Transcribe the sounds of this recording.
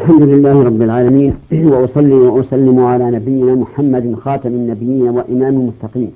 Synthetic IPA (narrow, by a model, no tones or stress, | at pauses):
aʔlħamd̪ʊlɪlːaːhɪɾˤɑbːɪlʕaːlamiːnwaʔʊsˤɑlːiwaʔʊsˤɑlːɪmʊʕalaːnabɪjːɪnaːmʊħamːad̪xɑːt̪ˤɑmɪnːabɪjːiːnawaʔɪmaːmɪlmʊt̪ːɑqiːm